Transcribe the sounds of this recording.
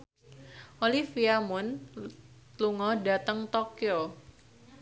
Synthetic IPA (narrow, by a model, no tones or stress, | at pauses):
ʔolifiamʊn | luŋɔdat̪əŋt̪okio